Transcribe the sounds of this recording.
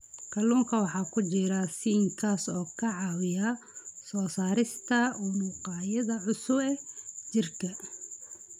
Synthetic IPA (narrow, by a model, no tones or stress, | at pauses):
kʰɐluːŋkʰɐwɑħɑːkʰʊt͡ʃɪɾɐsiːŋkʰaːsɔːkʰɐʕɑːwɪjɐ | sɔːsaːɾɪst̪ʰɐumuːqɑːjɐðɐʕʊsʊbɛt͡ʃɪrkʰɐ